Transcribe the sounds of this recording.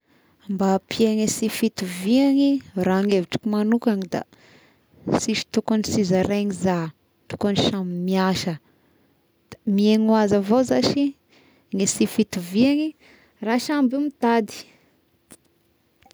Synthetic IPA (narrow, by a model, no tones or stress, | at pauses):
ambapieŋesifit̪uviaŋiraaŋeviʈ͡ʂi̥kumanukaŋid̪a̰ | siʃi̥t̪ukanisizaɾeɲiza | t̪u̥kaniʃamimiaʃə | d̪̥amieŋuazavozaʃi | ŋesifit̪uviaŋi | raʃambumit̪ad̪i̥